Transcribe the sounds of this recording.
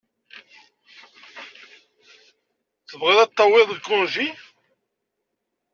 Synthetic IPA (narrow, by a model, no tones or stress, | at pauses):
θəvʁɪðˤæt̪ˤːɑwɪðˤəlkːʊnʒi